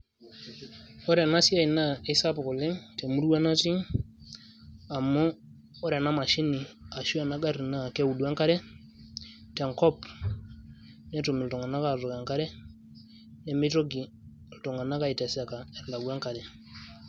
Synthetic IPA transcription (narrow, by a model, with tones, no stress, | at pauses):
ɔ˦ɾɛ˨na˦si˦a˦i˨na˦˨e˦sa˦pɔ˨kɔ˨lɛ˦ŋtɛ˨mu˦ɾwa˦na˦ti˦ | a˨mːɔ˦ | ɔ˦ɾɛ˨na˦ma˨ʃi˦ni˨a˨ʃu˦a˨na˦ɡa˦ɾi˨na˦˨kɛ˦u˨du˨ɛ˦ŋka˦ɾɛ˦ | tɛ˨ŋkɔ˦p | nɛ˦tu˨mi˨ltɔ˨ŋa˨na˦ka˦˨ɾɔ˨kɛ˨ŋka˦ɾɛ˦ | nɛ˨me˦to˦ɡi˨ | ltɔ˨ŋa˨na˦ka˨i˨tɛ˨sɛ˨ka˨ɛ˨ɾla˨ɡu˨ɛ˦ŋka˨ɾɛ˨